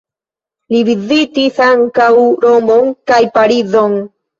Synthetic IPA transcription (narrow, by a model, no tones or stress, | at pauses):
livizit̪isaŋkawɾomboŋkajpaɾizoŋ